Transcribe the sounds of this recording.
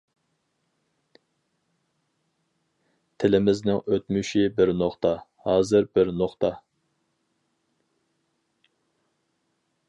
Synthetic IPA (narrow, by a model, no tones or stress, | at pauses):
t̪ʰɪlɪmɪznɪŋøt̪myʃibɪɾnoχt̪ʰɑhɑːzɨɾbɪɾnoχt̪ʰɑ